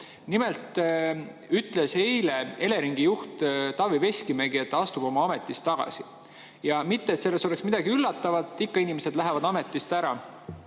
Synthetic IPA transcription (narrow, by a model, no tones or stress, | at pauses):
nimelt̪ˑ | yt̪ːˑle̞she̞jle̞ele̞ɾiŋɡ̥ijuht̪t̪ɑvive̞sʲkimeɡie̞t̪ˑːɑst̪ub̥o̞mɑɑme̞t̪ːˑist̪ːɑɡ̥ɑ̰si | jɑmit̪ːet̪se̞lːe̞sto̞le̞ksmid̪̥ɑɡiylːɑt̪ːˑɑvɑt̪ˑːikːɑinimese̞d̪̥læɦevɑd̪ɑme̞t̪ːˑist̪æɾɑ